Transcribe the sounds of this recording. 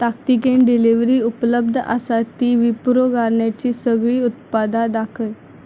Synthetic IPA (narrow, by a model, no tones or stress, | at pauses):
t̪akt̪ikenɖiliʋɾiːupləb̚d̪ʱʔa̰sat̪iːʋipuɾoɡaɾɳjat͡ɕiːsəɡɭiːut̪pad̪ad̪akʰəl